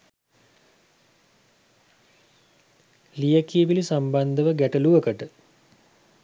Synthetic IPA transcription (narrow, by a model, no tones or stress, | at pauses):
lijəkiːʋilisamband̪əʋəɡæʈəluʋəkəʈə